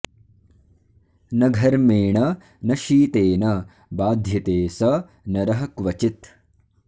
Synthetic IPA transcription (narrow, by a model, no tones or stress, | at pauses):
nɐɡʱɐɾmeːɳɐ | nɐʃiːt̪eːnɐ | baːd̪ʱjɐt̪eːsɐ | nɐɾɐɦɐkʋɐt͡ʃit̪